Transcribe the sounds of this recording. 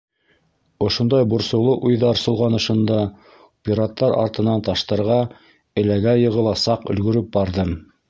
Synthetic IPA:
ŏʃond̪ɑjbŭɾsɤ̆wlˠɤʔujðɑɾsŏlˠʁɑnŏʃɤ̆nd̪ɑ | pʲiɾat̪ːɑɾɑ̰ɾt̪ɤ̆nɑnt̪ɑʃt̪ɤ̆ɾʁɑ | ɘ̆læɡæjɤ̆ʁɤ̆lˠɑsɑqɵ̆lɡɵ̆ɾɵp̚bɑɾðɤm

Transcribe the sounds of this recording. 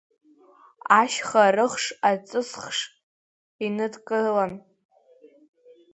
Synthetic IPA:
aʃχarɨχʂat͡sʼɨsχʂ | inɨdkʼɨlan

